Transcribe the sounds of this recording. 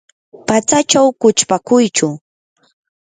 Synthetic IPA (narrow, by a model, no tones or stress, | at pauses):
pat͡sat͡ʃawkʊt͡ʃpakʊjt͡ʃʊ